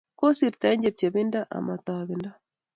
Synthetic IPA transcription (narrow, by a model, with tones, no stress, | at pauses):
ko˦si˨ɾta˨˦ɲd͡ʒe˨p̚t͡ʃe˨βɪ˦nda˦ʔa̰˨ma˨t̪a˨βɪ˨nda˦